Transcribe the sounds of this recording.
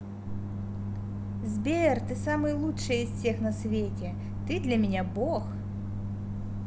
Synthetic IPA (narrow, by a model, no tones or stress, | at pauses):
zʲbʲert̪ɨsamɨjlˠuʂɨjisʲsʲɛxnɐsʲvʲetʲɛ | t̪ɨd̪lʲɐmʲɛnʲabɔx